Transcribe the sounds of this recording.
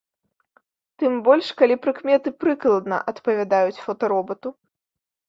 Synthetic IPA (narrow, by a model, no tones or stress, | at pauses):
t̪ɨmbɔlʲʂkalʲipɾɨkmʲɛt̪ɨpɾɨklˠɐd̪nɐ̰ʔɐt̪pɐvʲad̪ajut͡sʲfɔt̪ɐɾɔbɐt̪u